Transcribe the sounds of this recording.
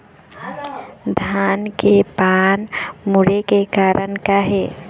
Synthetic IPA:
d̪ʱaːnkepaːnmʊɾekekaːɾʔənkaɦeː

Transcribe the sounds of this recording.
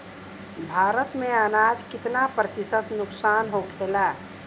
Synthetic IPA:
bʱaɾət̪meanad͡ʒkɪt̪napɾət̪isət̪nʊksanɦokʰela

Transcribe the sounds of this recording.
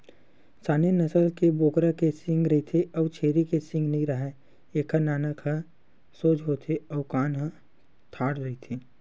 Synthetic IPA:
saːnenɐsəlkeboːkɾakesɪ̃ŋɡɾɐɦit̪ʰeɔːʋt͡ʃʰeːɾikesɪ̃ŋɡnɐɦĩɾɐɦe | eːkʰanaːnəkʰa | soːd͡ʒɦoːt̪ʰeɔːkaːnɦã | t̪ʰaːɽɾɐɦit̪ʰi

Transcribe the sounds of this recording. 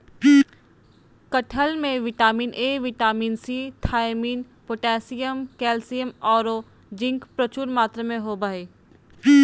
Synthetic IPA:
pi | kəʈʰəlmẽʋɪʈaːmiːnʔeːʋɪʈaːmiːnsiːt̪ʰaːɪmiːn | poːʈɛ̃ːsijəmkɛːlsijəmɔːɾo | d͡ʒɪ̃ŋkpɾət͡ʃuːɾmaːt̪ɾəmẽɦobaeː | i

